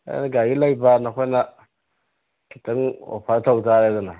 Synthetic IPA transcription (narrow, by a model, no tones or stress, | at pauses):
a̰naɡajilaibanaxʷena | kitano̰faɾatautaɾadana